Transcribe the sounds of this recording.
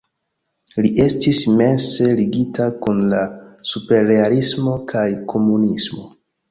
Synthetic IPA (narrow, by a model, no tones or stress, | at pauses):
liʔe̞stisime̞nse̞liɡitʰakunlasupe̞ɾeaɾismo̞kʰajkʰo̞munismo̞